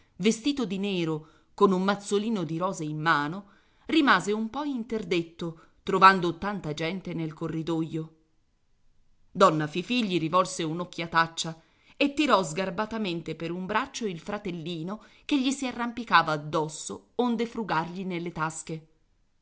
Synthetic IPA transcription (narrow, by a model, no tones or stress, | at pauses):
vest̪iːt̪od̪inɛːɾo | konumːat̪sːoliːnod̪iɾɔːzeimːaːno | rimaːzeumpɔint̪erd̪et̪ːo | t̪ɾovand̪ot̪ant̪ad͡ʒɛnt̪enelkorːid̪ojːo | d̪ɔnːafifiʎːiɾivɔlseunokːjat̪at͡ʃːa | et̪ːiɾɔzɡarbat̪ament̪epeɾumbɾat͡ʃːoilfɾat̪elːiːno | keʎːisiarːampikaːvaːd̪ːɔsːo̰ond̪efɾuɡarʎinelːet̪aske